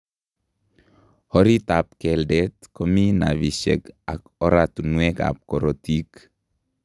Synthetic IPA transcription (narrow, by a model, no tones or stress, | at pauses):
hoɾit̪ap̚kɛldɛt̪kominaβisḛka̰koɾat̪unueka̰p̚koɾotik